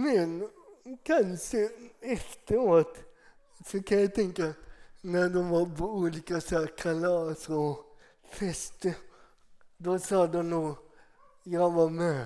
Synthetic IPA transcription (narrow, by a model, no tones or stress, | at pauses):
mɛnkʰanʃəɛft̪əɾoːt̪ | sɔkʰanjæɪt̪ʰɛŋkanæd̪ɔmʋɑpoʉːliːkasɑːkʰalɑːsɔ | fɛst̪ə | d̪ɔsɑːd̪ɔnuː | jaɪʋɑme